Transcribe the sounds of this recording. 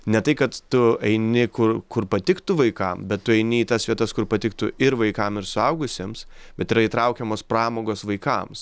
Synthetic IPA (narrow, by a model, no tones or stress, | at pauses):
nʲɛt̪ɐɪkɐt̪ːʊɛɪnʲɪkʊrkʊɾpɐt̪ʲɪkt̪ʊʋɐɪkɐmbʲɛt̪t̪ːʊɛɪnʲɪiːt̪ɐsʋʲiɛt̪ɐskʊɾpɐt̪ʲɪkt̪ʊɪɾʋɐɪkɐmɪɾsʊɐʊɡʊsʲeːmsbʲɛt̪iːɾɐiːt̪ɾɐʊkʲɛmoːspɾɑːmoːɡoːsʋɐɪkɐms